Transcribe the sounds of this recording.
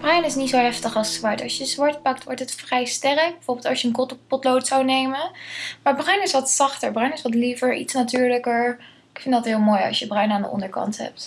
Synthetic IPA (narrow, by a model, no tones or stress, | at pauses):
b̥rœɥnɪsnitsowɦɛftəχɑlˠsːʋɑɹtɑ̰sjəzʋɑɹt̚pɑktʋɔɹtətfrɛjstɛrək̚bɛfoɹbɪlˠtɑsjəənktpɔtlowtsawnejmənmaːɹbrœɥnɪsʋɑtsɑχtəɹbrœɥnɪsʋɑtlivəɹḭtsnatyːɹləkəɹ | ɪkfɪndɑtɦɪːlˠmoːjɑ̰lˠsjəbrœɥnaːndəʔɔ̰ndəɹkɑ̰ntɦɛ̰p̚t